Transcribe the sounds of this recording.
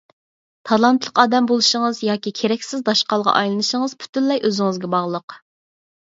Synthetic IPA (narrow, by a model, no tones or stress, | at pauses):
t̪ʰɑlˠɑnt̪lˠəqɑːd̪ɛmbolˠɨʃəŋəzjɑːkʲikʲʰeɾɛkʲsɪzd̪ɑʃqɑlˠʁɑ̰ʔɑjlˠɨnɨʃəŋəz̥pʰy̥t̪ynlɛjʔøzɪŋɨzɡʲɛbɑʁlˠəq